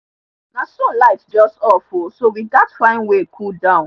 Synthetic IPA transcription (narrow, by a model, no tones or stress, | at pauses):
nãsɔ̃laɪtd͡ʒɔstɔfusowiɡatfãɪ̃nwekʰudãʊ̃n